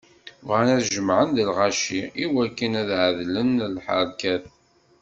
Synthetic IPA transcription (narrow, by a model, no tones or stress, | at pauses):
vʁænæðʒəmʕənðəlʁaʃiiwækːənæðʕəðlənlħə̰ɾˤkæθ